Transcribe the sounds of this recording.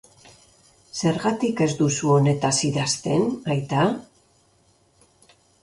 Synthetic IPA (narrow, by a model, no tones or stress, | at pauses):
se̞ɾɣat̪ike̞zd̪usuo̞ne̞t̪asiðast̪e̞najt̪a